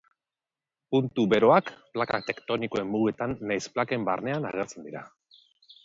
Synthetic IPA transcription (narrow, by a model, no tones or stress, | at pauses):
punt̪uβe̞ɾo̞akplakat̪e̞kt̪o̞nikoe̞mːuɣe̞t̪anːajsplake̞mbarne̞anaɣ̞e̞ɾt͡se̞nd̪iɾa